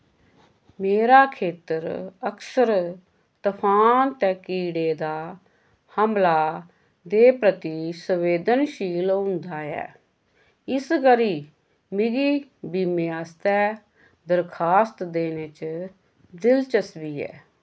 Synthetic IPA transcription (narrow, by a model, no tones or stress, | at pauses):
meːɾaːkʰeːt̪əɾəksəɾ | t̪əpʰaːnt̪ɛ̃ːkiːɽeːd̪aː | həmlaː | d̪eːpɾət̪iːsəʋeːd̪ənʃiːlɦʊ̃nd̪aːɛ̰ː | ɪskəɾiː | mɪɡiːbiːmeːaːst̪ɛː | d̪əɾkʰaːst̪d̪eːneːt͡ʃ | d̪ɪlt͡ʃəsbiːɛ̰ː